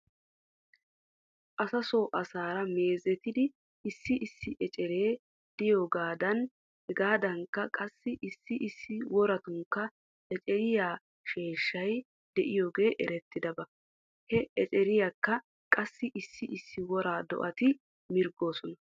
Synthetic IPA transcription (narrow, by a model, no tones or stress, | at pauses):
ʔɐsɐso̞ːʔɐsaːɾɐme̞ːzɛt̪ɪd̪ɪ | ɪsːɪʔɪsːɪʔɛt͡ʃʼɛɾe̞ː | d̪̥ɪjoːɡaːd̪ɐn | hɛɡaːd̪ɐŋkːɐkʼɐsːɪʔɪsːɪʔɪsːɪwɔɾɐt̪ʊŋkːɐ | ɛt͡ʃʼɛɾɪjaː | ʃe̞ːʃːɐj | d̪̥ɛʔɪjoːɡe̞ːʔɛɾɛt̪ːɪd̪ɐbɐ | hɛʔɛt͡ʃʼɛɾɪjakːɐ | kʼɐsːɪʔɪsːɪʔɪsːɪwɔɾaːd̪ɔ̰ʔɐt̪ɪ | mɪɾɡo̞ːsɔnɐ